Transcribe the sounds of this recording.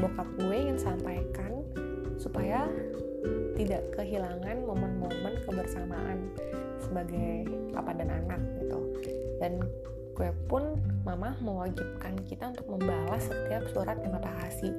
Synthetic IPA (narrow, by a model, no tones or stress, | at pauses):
bokap̪̚lueŋaŋsampajkan | supaja | t̪idaʔkəɦilaŋanmomənmomənkəbərsamaʔa̰n | səbaɡaj | la̰padananak̚ɡit̪ṵdan | kuapʊnmamahməwad͡ʒip̚kankit̪aunt̪ʊk̚məmbawasət̪iap̚suɾat̪̚jaŋapaɦasi